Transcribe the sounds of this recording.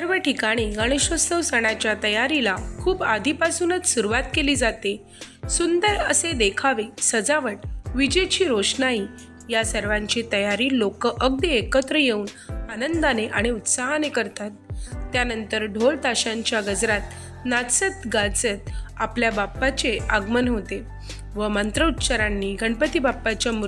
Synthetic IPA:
səɾʋəʈikaɽ̃iɡəɽ̃əɕʋəst̪əwsəɽ̃at͡ɕjat̪əjaɾilakʰuːpad̪ʱipasuːnət͡ssuɾuʋat̪keliːd͡zat̪e | sund̪əɾə̰sed̪ekʰaʋesəd͡zaʋəʈʋid͡ʑet͡ɕiːɾoɕnaiː | jasəɾʋãɲt͡ɕit̪əjaɾiːlokəʔəɡd̪iekət̪ɾəjeuːn | anənd̪aneʔaɽ̃iut̪saɦanekəɾt̪at̪ːjanənt̪əɾɖʱoɭt̪aɕãɲt͡ɕjaɡəd͡zɾat̪̚ | nat͡sət̪ɡat͡sət̪̚apljabapːat͡ɕeəɡmənɦot̪e | ʋəmənt̪ɾəut̪t͡ɕaɾanːiːɡʱəɳpət̪ibapːat͡ɕjamu

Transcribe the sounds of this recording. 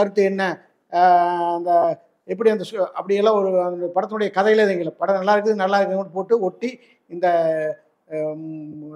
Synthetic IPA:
ɐɾɯt̪ːɯɛnːɐ | nd̪ɐ | ɛpːɐɽiɐnd̪ɐsɐ̰pːɐɽɪjɐlːãːɔɾɯpɐɽɐt̪ːɯnʊɽɐjɐkɐðɐjɪlðeŋɡɪlːɐpɐɽɐnɐlːaːɪɾɯk̬ːɯðɯnɐlːaːɪɾɯkːɯɐɯpoːʈːɯɔʈːi | ɪnd̪ɐ

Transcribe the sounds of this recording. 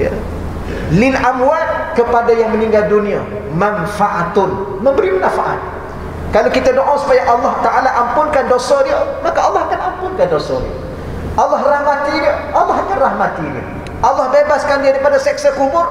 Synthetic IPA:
jə̰ | lɪnamuwat̪̚kəpadajaŋmənĩŋɡaldunĩa | mãnfaʔat̪ʊn | mə̃mbəɾimənãfaʔa̰t̪̚ | kalawkit̪adoʔɔsu̥pajaʔalːɑht̪aʔalaʔampʊnkandosɔdiəmakaalːɑhakanampʊnkandosɔ̰dḭə̰ | ʔalːɑɦrahmat̪idəʔalːɑɦakanrahmat̪idiə̰ | ʔalːɑhbebaskandiaɾipadasɛksakumʊr

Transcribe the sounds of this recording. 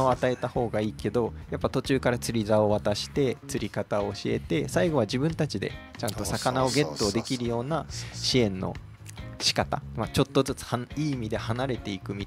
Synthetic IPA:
o̞at̪ae̞t̪aho̞ːɡaiːke̞d̪o̞japːat̪o̞t͡ɕɨːkaɾat͡sɨɾʲizao̞β̞at̪aɕi̥t̪e̞t͡sɨɾʲikat̪ao̞ːɕie̞̰t̪e̞saiɡo̞β̞aʑibɯ̟̃nt̪at͡ɕid̪e̞̰ | t͡ɕãnt̪o̞sakanao̞ɡe̞t̪ːo̞ːd̪e̞kʲiɾɯ̟jo̞ːnaɕiẽ̞nːo̞̰ | ɕi̥kat̪a̰mat͡ɕo̞t̪ːo̞zɨt͡sɨ̥haiːmʲid̪e̞hanaɾe̞t̪e̞ikɯ̟mʲi

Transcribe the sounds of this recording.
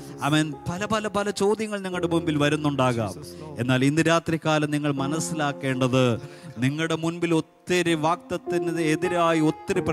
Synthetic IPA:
ɐmɐnpɐlɐpɐlɐpɐlɐt͡ɕo̞ːd̪jɐŋːɐɭniŋːɐɭɽemunbilʋɐɾunːuɳɖaːɣa̰ːme̞̰nːaːlind̪iɾaːt̪rikʲːaːlɐmniŋːɐɭmɐnɐsːilaːkːe̞ːɳɖɐðɨniŋːɐɭɽe̞munbilo̞t̪ːɐɾiʋaːk̚t̪ɐt̪ːinɐðɨeðiɾaːjio̞t̪ːɐɾip

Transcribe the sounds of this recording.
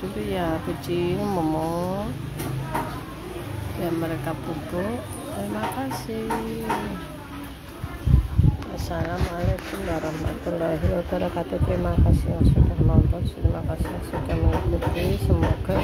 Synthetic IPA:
d̪̥ulujakut͡ʃimɔmɔ | jaməɾekapubɔʔ | pɾimakasih | asalamalapʊnbaɾaɦma̰t̪ulɔɦilot̪ɔɾakat̪ipɾimakasiwaksukaɦlɔnt̪ɔkspɾimakasiwaksuk̪aməŋikut̪isəmoɡ̥ɔ

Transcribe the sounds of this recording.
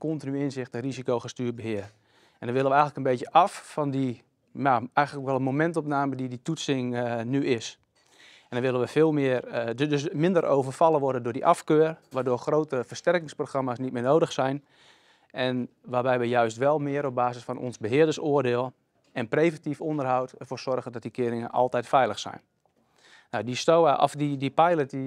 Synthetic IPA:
kɔntinyɪnzɪxtərizikowχəstyːt̚bəɦɪər | ʔɛndɔnʋɪlˠəʋəɛjxələkənbetjəʔɑfːɔndi | aɛjɣənəkʋɛlˠənmomɛntɔpnaːmədiditutsɪŋnyɪs | ɛndɔnʋɪlənʋəfɪːlˠmɪərdøsmɪndəɾʔo̰ːvərfɑlˠəʋɔrdəndʊːdiʔɑfkøːrʋaːrdoːrxroːtəfərstɛrkɪŋsproxramasnit̚mɪːnowdəxsɛjn | ʔɛn | ʋaːbɛjʋəjœɥstʋɛlˠmɪəɾɔp̚baːzəsfɔnʔɔ̰nzbəɦɪədərsoərdɪːəlˠ | ɛnprejvɛntifondərɦawtɛrfoːrsɔrɣəndɔt̚dikɪəɾɪŋə̰nʔɑ̰lˠtɛjtfɛjləxsɛ̰jnː | awdistowaʔɔ̰fdidipajləti

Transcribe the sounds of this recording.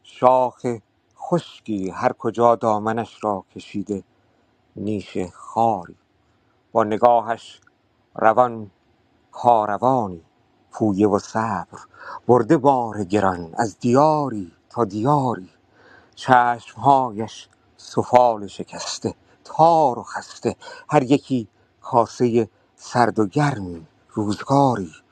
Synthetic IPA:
ʃɒːxe | xo̞ʃkiːhæɾkʰod͡ʒɒːd̪ɒːmænæʃɾɒːkʰe̞ʃiːd̪e̞ | niːʃexɒːɾiː | b̥ɒːne̞ɡɒːhæʃ | rævɒn | kʰɒːɾʔævɒːniː | pʰuːjevosæːb̥ɾb̥oɾd̪e̞bɒːɾeɟe̞ɾɒnæ̰zd̪ijɒːɾiːt̪ʰɒːd̪ijɒːɾiː | t͡ʃʰæːʃmɦɒːjæʃ | sofɒːleʃe̞cʰæst̪e | t̪ʰɒːɾoxæst̪e̞hæɾjekʰiː | kʰɒːse̞je | sæɾd̪oɟæɾmiː | ɾuːzɡɒːɾiː

